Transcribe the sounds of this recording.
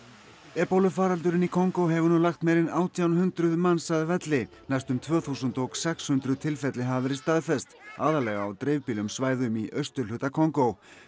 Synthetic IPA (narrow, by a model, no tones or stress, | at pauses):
ɛpowlʏfaːɾalt̪̬ʏɾɪnikʰɔŋkowɦɛvʏnulaxt̪mejɾɪnaːwt̪ʰijawnhʏnt̪ɾʏðmansaðvɛt̪lɪ | najst̪ʏmt̪ʰvœːθusʏnt̪ɔksɛkshʏnt̪ɾʏðt̪ʰɪlfɛt̪lɪɦavɪɾɪst̪aðfɛst̪aːðalɛɣaawt̪ɾejvpiːlʏmsvaːjðʏmiʔœst̪ʏɾ̥lʏːt̪akʰɔŋkow